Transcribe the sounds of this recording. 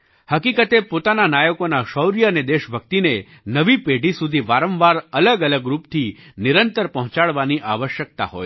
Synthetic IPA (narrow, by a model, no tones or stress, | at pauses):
həkikət̪epot̪ananajəkonaʃəwɾijəəned̪eʃbʱək̚t̪ine | nəʋipeɖʱisud̪ʱiʋaɾə̃mʋaɾələɡələɡɾupt̪ʰinɪɾənt̪əɾpəɦʊ̃t͡ʃaɭʋaniʔa̰ʋəʃjək̚t̪a̰ɦo̰j